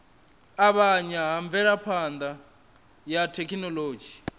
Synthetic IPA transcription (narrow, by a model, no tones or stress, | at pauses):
aβaɲaɦaɱb̪vɛɺapʰand̪a | jatʰekʰinɔloːd͡ʒi